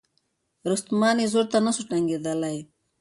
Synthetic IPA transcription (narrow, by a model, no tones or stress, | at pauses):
ɾust̪manizuɾt̪anasuʈaŋɡed̪alaj